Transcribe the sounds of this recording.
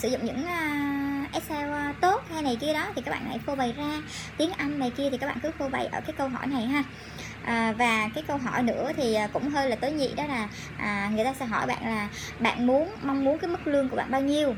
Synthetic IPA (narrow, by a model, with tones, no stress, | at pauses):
sɨ̰˧˩zʊ̰˧˨ŋ͡mɲɨ̰˧˥ŋ | ʔɛ˦˥t̚sɛ˧wt̪o˦˥t̚ha˧jna˨˩jki˧əɗɔ˨˦t̪ʰi˨˩kaː˦˥ɓa̰ː˧˨ha̰˧˩jfo˧və˨˩jzaː˧ | t̪i˨˦əŋʔa˧jŋ̟ːa˨˩jki˧ət̪ʰi˨˩kaː˦˥ɓa̰ː˧˨kɨ˨˦fo˧və̰˨˩jʔəː˧˩kaː˨˦jkə˧wɦɔ̰˧˩jna˨˩jɦaː˧ | ʔəː˨˩vaː˨˩kaː˨˦jkə˧wɦɔ˧˩jnɨ̰˧˥ət̪ʰiː˨˩˨kʊ̰˧˥ŋ͡mɦəː˧jlaː˨˩t̪əː˨˦jɲḭ˧˨ɗɔ˨˦laː˨˩ | ʔəː˨˩ŋɨ˨˩əjt̪aː˧sɛ̰˧˥ɦɔ˧˩jɓa̰ː˧˨nlaː˨˩ | ɓa̰ː˧˨nmu˨˦ənma˧wŋ͡mmu˨˦nkaː˨˦jmɨ˦˥k̚lɨ˧əŋku˧˩əɓa̰ː˧˨nɓaː˧wɲi˧əw